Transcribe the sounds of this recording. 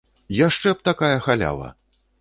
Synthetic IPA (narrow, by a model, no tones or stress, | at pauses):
jaʂt͡ʂɛp̚t̪akajɐxalʲa̰vˠɐ̰